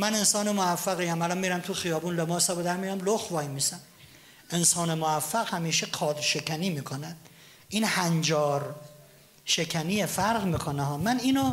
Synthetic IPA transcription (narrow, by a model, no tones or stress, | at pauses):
mæne̞nsɒːnemoæfːæɣijæmælɒːnmiːɾæmt̪ʰuxijɒːbuːnlemɒːsæbod̪æɾmijæmloxvɒːjmiːsæm | ʔensɒːnemoæfːæɣhæmiːʃeqʰɒːd̪ʃe̞kʰæniːmiːkʰonæd̪ | ʔiːnhænd͡ʒɒːɾ | ʃe̞kʲʰæniːjefæɾʁmiːkʰoneɦɒːmæniːno